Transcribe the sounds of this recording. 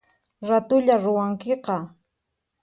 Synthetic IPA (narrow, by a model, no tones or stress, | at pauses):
ɾat̪ʊʎaɾʊwaŋkeqɑ